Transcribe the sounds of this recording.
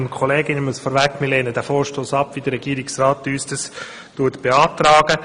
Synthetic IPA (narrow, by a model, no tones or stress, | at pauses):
nkʰɔleːɡɪnɪməsfɔːɾvɛkːmɪleːnədɛfoːɾʃtoːsɑpːʋidəɾɛɡ̥iːɾɪksraːtːyːsd̥ɑs | tuətb̥eɑːtraːɡ̥ə